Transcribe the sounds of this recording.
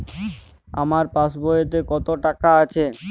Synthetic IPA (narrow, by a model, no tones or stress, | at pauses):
a̰maɾpaʃbojet̪̬ekɔt̪oʈakaat͡ɕʰe